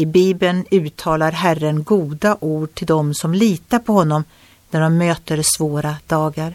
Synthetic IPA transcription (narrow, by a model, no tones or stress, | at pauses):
ɪbiːbənʉ̟ːt̪ʰːɑːlaɾɦærːənɡuːd̪aʔuːɖ̚ʈʰɪld̪ɔmsɔmliːt̪aɾpʰɔhɔnːɔm | næɖɔmːøːt̪əɾsvoːɾad̪̥ɑːɡaɾ